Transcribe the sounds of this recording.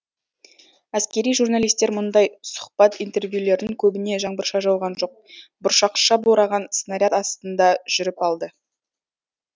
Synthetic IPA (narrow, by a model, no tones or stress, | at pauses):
æskʲe̞ɾijʒurnalijst̪e̞ɾmʊnd̪ɑjsʊ̥χpɑt̪ijnt̪e̞rvjule̞ɾd̪ɪŋkʲʰɵbɪne̞ʒɑɴbəɾʃɑʒɑwʁɑnʒo̞q̚bʊɾʃɑqʃɑboɾɑʁɑnsnaɾʲjat̪ɑst̪ənd̪ɑʒ̥ʏɾɪpɑlˠd̪ə